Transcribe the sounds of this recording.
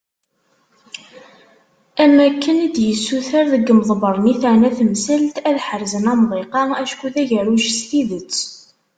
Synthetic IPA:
æmækːənæd̪jəsːuθəɾðəɡːəmðˤbəɾˤniθanæθəmsəlt̪æðħəɾzənɑmðˤeqɑæʃkuðæʝəɾuʒst̪iðət͡sː

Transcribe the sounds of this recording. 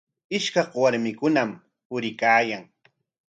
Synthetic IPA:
ɪʃkɑχwaɾmɪkʊnam | pʊɾɪkaːjaŋ

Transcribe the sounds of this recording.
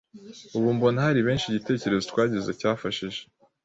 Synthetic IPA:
uβuːmbo̞nahaɾiβe̞ːnʃiɟite̞ːce̞ɾe̞zotwaːɟizacaːfaʃiʒe̥

